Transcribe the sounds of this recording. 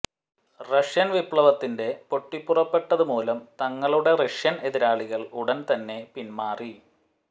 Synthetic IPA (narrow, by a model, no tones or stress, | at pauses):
rɐʂjɐnʋipɭɐʋɐt̪ːinde̞po̞ʈːipːurɐpːe̞ʈːɐðumoːlɐmt̪ɐŋːɐɭuɽe̞rɐʂjɐne̞ðiɾaːɭiɣɐɭuɽɐnt̪ɐnːe̞pinmaːri